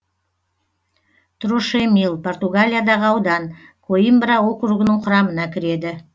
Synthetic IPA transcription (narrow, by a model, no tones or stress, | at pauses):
t̪roʃemilˠpʰo̞rt̪uɡalʲijad̪ɑʁəɑwd̪ɑnkʰoimbɾawo̞kɾuɡənəɴqʰʊɾɑmənɑkʲʰɪɾe̞d̪ɪ